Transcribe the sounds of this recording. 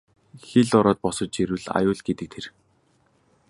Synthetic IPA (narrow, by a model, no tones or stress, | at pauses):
xeɮʊɾɔːt̪̚pɔsɞ̆t͡ɕeɾɘ̆ɮa̰jʊːɮɡet̪ɘ̆k̚t̪ʰer